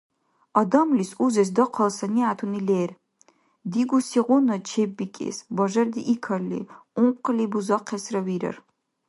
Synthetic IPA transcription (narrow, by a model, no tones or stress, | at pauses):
ɐd̪ɐmlisuzɛs̬d̪ɔqʰɐlsɐniat̪ʰunilɛːr | d̪iɡusiʁʷɔnɐt͡ʃʰɛbːikʼɛ̰sbɐʒɐrd̪iʔikʰɐlːḭupqʰʼlibuzaqʰɛsrɐwiɾɐ̰r